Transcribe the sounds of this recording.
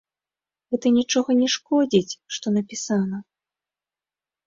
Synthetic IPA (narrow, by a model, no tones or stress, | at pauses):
ɣɛt̪ɐnʲit͡ʂɔɣɐnʲɛʂkɔd͡zʲit͡sʲʂt̪ɔnɐpʲisanɐ